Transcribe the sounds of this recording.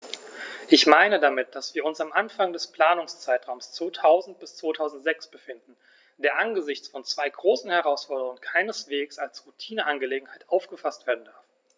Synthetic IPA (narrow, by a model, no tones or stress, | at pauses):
ʔɪçmaɪnədamɪt̚d̥asv̥iːɐʊnsamʔanfaŋdɛspl̥aːnʊŋst͡saɪtʁ̥aʊmst͡sv̥oːtʰaʊzn̩t̚b̥ɪst͡sv̥oːtʰaʊzn̩tz̥ɛksb̥əfɪndn̩ | d̥eːɐʔanɡəzɪçt͡sfɔnt͡sv̥aɪɡʁoːsn̩hɛʁaʊsfɔɐdəʁʊŋənkʰaɪnəsv̥eːksalsʁutʰiːnəʔanɡəleːɡŋ̩haɪtʔaʊfɡ̥əfastv̥eːɐdn̩daɐf